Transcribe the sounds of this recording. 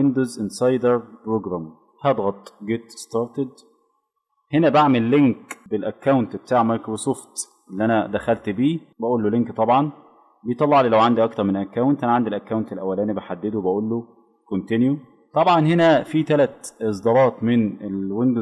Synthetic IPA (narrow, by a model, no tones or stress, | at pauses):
end̪ozʔɪnsˤɑjd̪eɾpɾoɡɾæm | hæd̪ˤɣɑt̪ˤɡet̪st̪ɑɾt̪ed̪ | henæbaʕmelːeŋkbelʔækːawnt̪b̥et̪aːʕmɑjkɾsoft̪ | ʔelːiʔænæd̪æxælt̪biːbæʔuːlːoleŋkt̪ˤɑbʕɑn | bejt̪ˤɑlːɑʕliːlæwʕand̪iʔɑk̚t̪ɑɾˤmenʔækːæwnt̪ʔænæʕand̪ilʔækːæwnt̪elʔæwːælæːnibeħad̪ːed̪owebæʔuːlːo | kont̪enju | t̪ˤɑbʕɑnhenæfit̪ælæt̪ʔes̬ˤd̪ɑːɾˤɑːt̪ˤmenelwend̪o